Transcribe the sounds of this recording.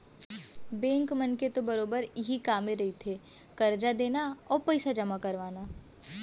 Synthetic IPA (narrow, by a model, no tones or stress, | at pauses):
bɛ̃ːŋkmɐnket̪obɐɾoːbəɾɪɦikaːmeɾɐɦit̪ʰeː | kɐɾd͡ʒad̪eːnaɔːɾpɐɪsad͡ʒɐmakɐɾʋaːnaː